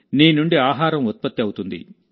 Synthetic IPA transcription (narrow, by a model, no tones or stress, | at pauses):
niːnuɳɖiaːɦaːɾɐmɔt̪̚pɐt̪ːiɐwt̪und̪ḭ